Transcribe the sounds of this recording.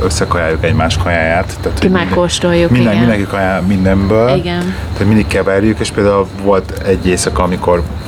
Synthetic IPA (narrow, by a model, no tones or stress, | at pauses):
øsːɛkɒjaːjukɛɟmaːʃkʰɒjaːjaːt̪ːaːt̪ʰomɛkːoʃt̪ojːumind̪ɛind̪ɛŋkikɒjaːmind̪ɛmbøːliɡɛn | aːt̪oɟmind̪ikːɛvɛrjykeːʃpeːld̪aːulvo̞lt̪ɛɟːeːsɒkɒɒmiko̞r